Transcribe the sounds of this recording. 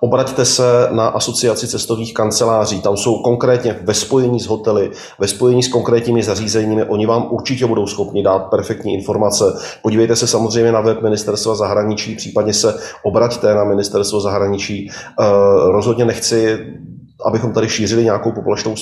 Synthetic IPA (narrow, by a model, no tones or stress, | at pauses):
ʔo̞bɾact̪ɛsɛnaʔaso̞t͡sɪat͡sɪt͡sɛst̪o̞vɲiːxkant͡sɛlaːriːt̪amso̞wko̞ŋkɾɛːt̪ɲɛvɛspo̞jɛɲiːzɦo̞t̪ɛlɪ | vɛspo̞jɛɲiːsko̞ŋkɾɛːt̪ɲiːmɪzariːzɛɲiːmɪʔo̞ɲɪvaːmʔuɾt͡ʃɪcɛbudo̞wsxo̞pɲɪdaːt̪̚pɛɾfɛkt̪ɲiːʔɪnfo̞ɾmat͡sɛpoɟiːvɛjt̪ɛsɛsamozr̝ɛjmɲɛnavɛp̚mɪnɪst̪ɛɾst̪vazaɦɾaɲɪt͡ʃiːpr̥iːpadɲɛsɛʔo̞bɾact̪ɛnamɪnɪst̪ɛɾst̪vozaɦɾaɲɪt͡ʃiː | ɾo̞zɦo̞dɲɛnɛxt͡sɪ | ʔabɪxo̞mt̪adɪʃiːr̝ɪlɪɲɛaako̞wpobolɛʃt̪ow